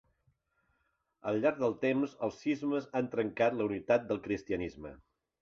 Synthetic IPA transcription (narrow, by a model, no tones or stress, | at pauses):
əlˠʎːaɾɡ̚ðəlˠt̪emzəlˠsːizməzant̪ɾəŋkat̪ləunit̪at̪̚d̪əlˠkɾist̪iənizmə̰